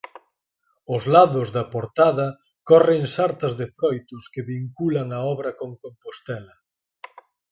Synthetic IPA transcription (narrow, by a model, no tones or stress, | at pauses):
ʊzlaðʊzðɐpoɾt̪aðɐ | kɔreŋsaɾt̪ɐzðɪfɾɔjt̪ʊskɪβiŋkulɐŋɐɔβɾɐkoŋkompost̪ɛlɐ